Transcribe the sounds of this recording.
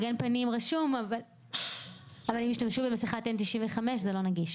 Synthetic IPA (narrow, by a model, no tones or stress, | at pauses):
ɡenpanimʁaʃumaval | avalimiʃtamʃubemasiχatːent̪iʃinveχameʃzelo̞naɡiʃ